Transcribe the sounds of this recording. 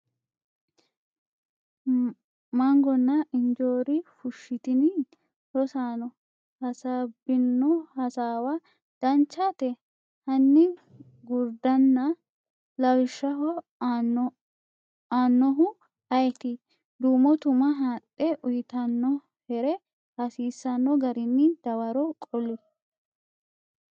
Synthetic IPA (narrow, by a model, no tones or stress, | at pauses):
mɐŋɡɔnːɐʔɪnd͡ʒoːɾɪfʊʃːɪt̪ɪnɪ | ɾɔsaːnɔ | hɐsabɪnːɔhɐsaːwɐ | d̪̥ɐnt͡ʃːaːt̪ɛ | hɐnːɪ | ɡʊɾd̪ɐnːɐ | lɐwɪʃːɐɦɔ | aːnːɔɦʊ | ɐjɛt̪ɪ | d̪uːmɔt̪ʊmɐɦaːtʼːɛʔʊjɪt̪ɐnːɔ | hɛɾɛ | hɐsiːsːɐnːɔɡɐɾɪnːɪd̪̥ɐwɐɾɔkʼɔlːɪ